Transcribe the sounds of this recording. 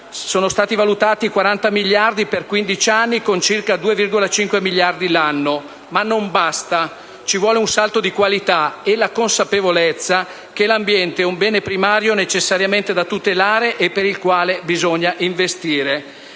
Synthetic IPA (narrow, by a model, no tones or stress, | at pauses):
soːnost̪aːt̪ivalut̪aːt̪ikwaɾant̪amiljard̪iperkwind̪it͡ʃanːikont͡ʃirkad̪uːevirɡolat͡ʃiŋkwemilːjard̪ilanːo | manːombast̪a | t͡ʃivwɔːleunsalt̪od̪ikwalit̪aelakonsapevolet̪sːa | k̟elambjɛnt̪eɛumbɛːnepɾimaːɾjonet͡ʃesːaɾjament̪ed̪at̪ut̪elaːɾeʔepːeɾilkwaːlebizoɲːaʔiɱvest̪iːɾe